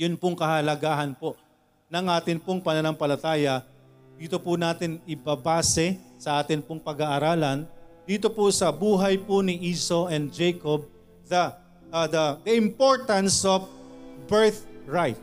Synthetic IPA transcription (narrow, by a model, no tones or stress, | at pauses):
jʊnpʊŋkɐhɐlɐɡaːɦɐnpo | nɐŋʔaːt̪ɪnpoŋpɐnɐnɐŋpɐlɐt̪aːjɐ | d̪iːt̪opʊnaːt̪ɪnɪbɐbaːsɛsɐʔaːt̪ɪnpoŋpɐɡaːʔɐɾaːlɐnd̪iːt̪opʊsɐbuːɦɐjpʊnɪʔiːsoʔɛnd̪̚d͡ʒɛjkob̚ | d̪ɐ | d̪ɐd̪ɐʔɪ̃mpoɹt̪ɐ̃nsofbɛɹθɹajt̪̚